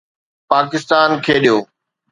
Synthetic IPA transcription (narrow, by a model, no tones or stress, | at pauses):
paːkɪst̪aːnkʰeːɗijoː